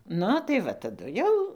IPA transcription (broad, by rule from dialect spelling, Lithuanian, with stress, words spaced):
ˈnʊ tɐɪ ˈʋɐ tɐˈdʊ jɛʊ